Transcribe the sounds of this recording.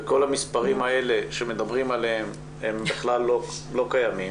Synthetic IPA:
ko̞lhamispaʁimae̞le̞ʃeme̞d̪abʁimaleɦem | embeχlalːolo̞kajami

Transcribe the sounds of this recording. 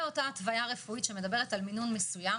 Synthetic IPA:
o̞taːtvajaʁe̞fuitʃemed̪ɐbe̞ʁ̞etalminunmesuja

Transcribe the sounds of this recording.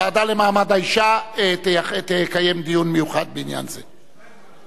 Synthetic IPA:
aːd̪alemaːmad̪aiʃaet̪at̪ejkajemd̪ijunmejuχad̪̚beinja̰nze

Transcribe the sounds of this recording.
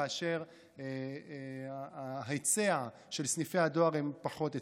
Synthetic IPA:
aːʃe̞ʁ | aɦaet͡sea | ʃe̞lsnife̞had̪o̞aʁempaχo̞t̪e

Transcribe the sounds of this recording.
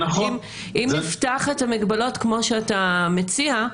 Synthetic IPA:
nɐχm | ʔimiftaχetamiɡbalo̞tkmo̞ʃeatamet͡sia

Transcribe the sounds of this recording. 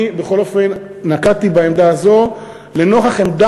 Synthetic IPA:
beχo̞lo̞fe̞nː | akat̪ibaemd̪aːzo̞ | le̞noχaχemd̪a

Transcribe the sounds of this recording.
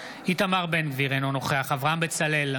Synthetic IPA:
it̪amaʁbenviʁenono̞χe̞aχavʁaambet͡sale̞l

